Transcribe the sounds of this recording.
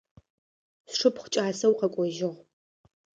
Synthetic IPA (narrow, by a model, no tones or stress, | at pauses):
sʂɨpχʷt͡ʃʼaːsɐwqɐkʷʼɔʒɪʁ